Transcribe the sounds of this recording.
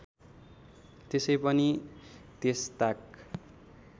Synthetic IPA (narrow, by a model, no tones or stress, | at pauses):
t̪esʌjpʌnit̪est̪ak